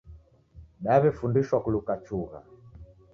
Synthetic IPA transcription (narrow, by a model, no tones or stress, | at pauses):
ɗaβɛfundiʃwakulukat͡ʃuɣa̰